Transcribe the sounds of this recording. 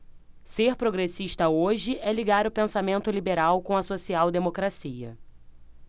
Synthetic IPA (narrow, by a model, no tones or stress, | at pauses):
seɾpɾoɡɾesiʃt̪ɐoʒɪʔɛliɡaɾʊpẽsamẽnt̪ʊlibeɾawkõɐsosiawd̪emokɾasiɐ̰